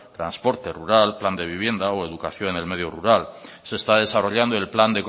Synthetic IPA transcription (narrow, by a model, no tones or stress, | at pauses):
t̪ɾa̰nspo̞ɾt̪e̞ruɾalpland̪e̞βiβje̞nd̪aoe̞ðukaθjo̞nene̞lme̞ðjoruɾal | se̞ːst̪að̞e̞saro̞ʎand̪o̞elpland̪ek